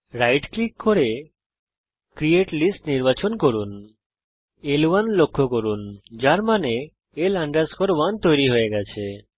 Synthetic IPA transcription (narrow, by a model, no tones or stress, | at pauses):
ɾajʈklikːɔɾe | kɾieʈlisʈniɾbat͡ʃɔnkɔɾun | elʋanlokʰːokɔɾund͡ʒaɾmaneː | laɳɖaɾskɔɾʋant̪ɔjɾiɦoeɡat͡ʃʰe